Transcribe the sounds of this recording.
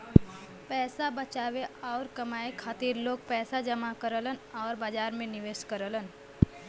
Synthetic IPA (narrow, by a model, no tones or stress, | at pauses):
pɛːsabət͡ʃaːʋeɔːɾkɐmaːekʰaːt̪iːɾloːɡ̚pɛːsad͡ʒəmakəɾələnɔːɾbaːd͡ʒaːɾmẽnɪʋeːʃkəɾələn